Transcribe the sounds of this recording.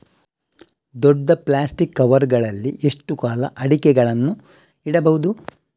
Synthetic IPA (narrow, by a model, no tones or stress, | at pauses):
d̪ɔɖːɐplaːsʈikːɐʋɐɾɡɐɭɐlːiʔe̞ʂʈukaːlɐʔɐɽikɛɡɐɭɐnːu | iɽɐbɐʋud̪u